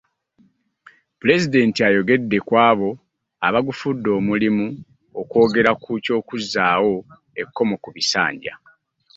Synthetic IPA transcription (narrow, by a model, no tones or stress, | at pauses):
pule̞zide̞ntiajo̞ɡe̞dːe̞kwaːβo̞ | aβaɡufudːo̞ːmulimu | okwo̞ːɡe̞ɾakʰuco̞ːkuzːaːwo̞ | e̞kːo̞mo̞kuβisa̰ːɲɟa̰